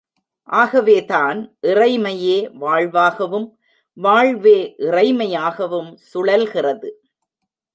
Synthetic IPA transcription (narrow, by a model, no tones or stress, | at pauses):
ʔaːɣɐʋeːtaːnʔɪrɐɪmɐjeːʋaːɻʋaːɣɐʋɯm | ʋaːɻʋeːʔɪrɐɪmɐjaːɣɐʋɯmsʊɽɐlɣɪrɐðɯ